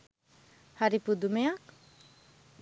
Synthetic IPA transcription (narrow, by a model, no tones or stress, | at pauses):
haɾipud̪umejak̚